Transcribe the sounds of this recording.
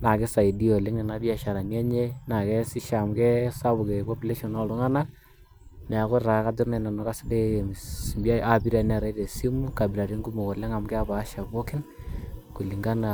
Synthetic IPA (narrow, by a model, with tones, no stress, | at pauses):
na˨kɪ˦sa˨i˨di˦o˨lɪ˦ŋɛ˨na˦bi˦a˨ʃa˨ɾa˨nja˦ɲe˦na˨kɛ˦si˦ʃa˨mkɛ˦sa˦bʊ˨kɛ˨pɔ˦pi˦le˦ʃɔ˨nɔ˦˨lu˦ŋa˦na˦ | nɛ˨a˨ko˦ɾa˨˦ka˦dʊ˦ɾnɛ˨na˨nɔ˨ka˦sɪ˦de˦˨m˨ba˦a˦bi˦ɾa˨nɛ˨ɾa˦de˨si˦mu˦ka˨bi˨la˨ɾi˦ŋɡu˦mo˨kɔ˨lɛ˦ŋa˨mkɛ˦a˦ba˨˦ʃa˨bo˦kɪ˦nku˨li˨ŋɡa˦na˨